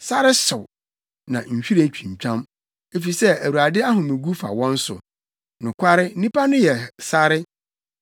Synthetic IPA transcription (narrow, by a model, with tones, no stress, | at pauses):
sa˦ɾɪ˦sʊ˨w | nã˨ɲ̩˨ɕᶣi˦ɾt͡ɕᶣʰĩ˨ɲ̩˨t͡ɕᶣã˦m | e˨fi˨sɛ˦æ˨wu˨ɾa˨dɪ˦a˦ɦʊ̃˨mɪ̃˨ɡu˦fa̰˨wɔ̃˦n̩˦sʊ̰˨ | nʊ̃˨kʷʰa˦ɾɪ˦n̩˦nĩ˦pa˦nʊ̃˦jɛ˨sa˦ɾɪ˦